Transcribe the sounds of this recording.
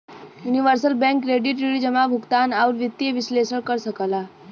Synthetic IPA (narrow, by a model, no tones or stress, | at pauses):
juniʋəɾsəlbɛ̃ŋkɾeɖiʈiɭid͡ʑəmabʱukt̪anaʋuɾʋit̪jeʋislesəɽkəɾsəkala